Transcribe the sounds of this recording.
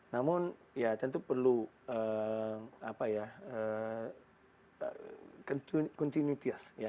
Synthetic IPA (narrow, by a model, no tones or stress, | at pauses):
namʊn | jat̪ənt̪upərlu | ə | apajaə | kɔnt̪kɔnt̪inwit̪iasja